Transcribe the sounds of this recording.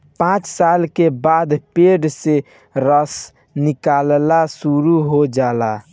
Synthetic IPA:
pãt͡ʃsalkebad̪peɖse | ɾəs | nikallasuɾuɦod͡ʒala

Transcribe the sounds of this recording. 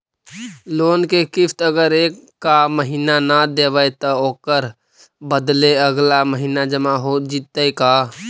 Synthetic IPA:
loːnkekɪpʰt̪əɡəɾeːkːaməɦiːnanad̪eʋəjt̪əoːkəɾ | bəd̪leəɡlaməɦiːnad͡ʒəmaɦod͡ʒit̪əjka

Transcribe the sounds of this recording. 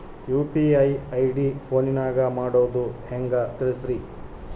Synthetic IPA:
juːpiɐjɐjɖipʰoːninaːɡɐmaːɽoːd̪uheŋɡɐt̪iɾisɾi

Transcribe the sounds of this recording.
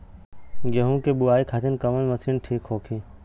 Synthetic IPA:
ɡeɦũːkeːɓʊaːiːkʰaːt͡ʃənkəʋənməsiːnʈʰiːkɦoːkʰiː

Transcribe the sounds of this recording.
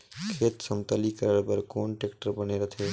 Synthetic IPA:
kʰeːt̪səmt̪əlikəɾəɽpəɾkoːnʈekʈəɾbəneɾət̪ʰe

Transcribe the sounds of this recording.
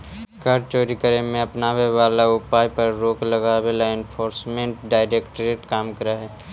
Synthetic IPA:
kəɾt͡ʃoːɾikəɾemẽɐpnaːweʋaːlaʊpaːjpəɾɾoːklɐɡaweːlaɪnpʰoːɾsmẽɳʈɖaːɪɾeːkʈɾeʈkaːmkəɾaɦɛː

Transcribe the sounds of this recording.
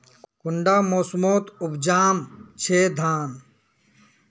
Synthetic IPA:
kuɳɖaːmoːsmoːt̪ubd͡ʑaːmt͡ɕʰeːd̪ʱaːn

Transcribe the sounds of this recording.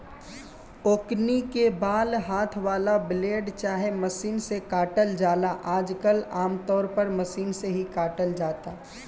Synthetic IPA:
oːknikebaːlɦaːt̪ʰʋaːlableːɖt͡ʃaːɦeməsiːnsekaːʈəld͡ʒaːlaʔaːd͡ʒkəlaːmt̪ɔːɾpəɾməsiːnseɦikaːʈəld͡ʒaːt̪aː

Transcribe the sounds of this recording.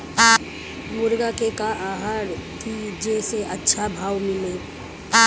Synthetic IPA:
mʊɾɡakekaʔaɦaɽk̪id͡ʒeseʔətːʃʰabʱaːwmɪle

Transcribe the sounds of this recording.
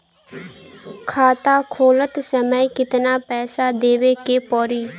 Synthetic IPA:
kʰaːt̪aːkʰoːlət̪səməikɪt̪naːpɛːsaːd̪eːʋeːkeːpɔːɾiː

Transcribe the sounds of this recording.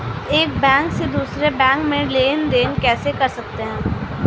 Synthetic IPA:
eːk̚bɛ̃ːŋksed̪uːsɾebɛ̃ːŋkmẽleːnɾeːnkɛːsekɐɾsɐk̚t̪eɦɛ̃ː

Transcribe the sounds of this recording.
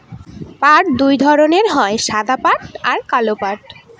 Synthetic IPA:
paʈ̚d̪ujd̪ʱɔɾoneɾɦɔeʃad̪apaʈaɾkalopaɾʈ

